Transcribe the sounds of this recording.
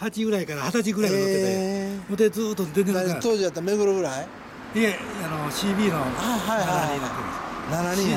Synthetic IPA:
hat͡ɕiɡɯ̟ɾaikaɾahat̪at͡ɕiɡɯ̟ɾaioeemot̪ed͡zɨːt̪ːod̪ẽnd̪enɲt̪oːd͡ʑijat̪ːameɡɯɾoɡɯɾai | eanoɕiːbʲiːnoaɦaihaaaaĩt̪end̪esnanaɲi

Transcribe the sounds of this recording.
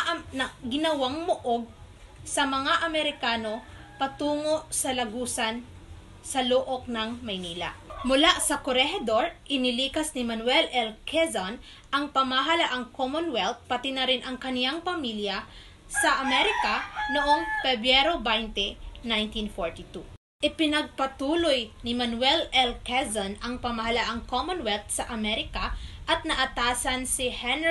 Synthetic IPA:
nɐɡɪnɐwaŋmoʔoɡ̚ | sɐmɐŋaʔɐmɛɾɪkaːno̞ | pɐt̪uːŋo̞ʔsɐlɐɡuːsɐn | sɐloːʔok̚nɐŋmɐjniːlɐ̰mʊlaʔsɐkoɾɛɦɛd̪oɹʔɪnɪliːkɐsnɪmɐnwɛlɛlkʰɛzɐn | ʔɐŋpɐmaɦalaʔɐŋkomonwɛlt̪̚pɐt̪ɪnɐɾɪnʔɐŋkɐnɪjaŋpɐmiljɐ | sɐʔɐmɛɾɪkɐnoʔoŋpɛbɾɛɾobajnt̪ɛnajnt̪infoɹt̪it̪u | ʔɪpɪnɐɡ̚pɐt̪uːlojnɪmɐnwɛlɛlkɛzɐnɐŋpɐmɐɦɐlaʔɐŋkomonwɛlt̪̚sɐʔɐmɛɾɪkɐʔɐt̪̚nɐʔɐt̪aːsɐnsihɛn

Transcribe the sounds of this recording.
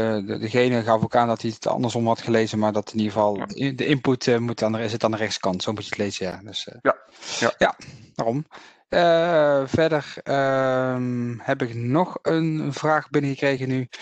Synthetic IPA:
ədəɣejnəɣɑfowkaːndɑtiətʰɑ̰ndəɹsɔmɦɑtχəlejzəmaːɹdɑtɪniɣəvɑlˠdəʔɪmputmutaːnəɪsətaːndərɛxtsə̥kɑntsowəmputətlejzəjaːdɵs | jaʋaːrɔm | əvɛɹdərəmhɛpɪknɔχənv̥raːχbɪnəɣəkrejɣəny

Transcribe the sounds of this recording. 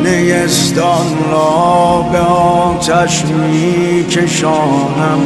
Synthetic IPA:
nejest̪ɔnlɔbeɔ | t̪ʰæʃmiː | kʰeʃɔː | næm

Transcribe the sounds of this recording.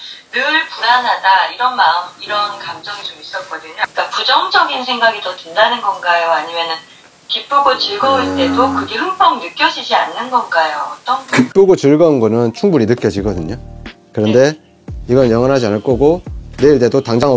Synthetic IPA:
nɯɭpunanɦadaiɾʌnmaɯmiɾʌnkamd͡ʑʌŋid͡ʑomis͈ʌt̚k͈ʌdɯɲok͈apud͡ʑʌŋd͡ʑʌɡinsʰe̞ŋɡaɡitʌtɯndanɯnɡʌnɡajoaɲimjʌnɯn | kip͈uɡot͡ɕɯɭɡʌinte̞tokɯɡehɯŋp͈ʌŋnɯk͈jʌd͡ʑid͡ʑianːɯnɡʌnɡajoʌt͈ʌnkip͈uɡot͡ɕɯɭɡʌunɡʌnɯnt͡ɕʰuŋbuɾinɯk͈jʌd͡ʑiɡʌdɯɲo | kɯɾʌnde̞ | iɡʌnɯnjʌŋwʌnɦad͡ʑianɯɭk͈ʌɡoneiɭt͈edotaŋd͡ʑaŋʌ

